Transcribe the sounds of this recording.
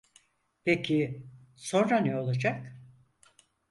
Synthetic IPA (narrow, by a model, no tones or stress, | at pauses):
pʰecʰi | sõ̞nɾanɛo̞lˠad͡ʒak